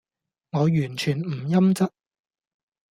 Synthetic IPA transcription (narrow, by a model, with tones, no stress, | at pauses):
ŋɔː˨˧jyː˨˩nt͡ʃʰyː˨˩nm̩˨˩jɐ˥mt͡sɐ˥t̚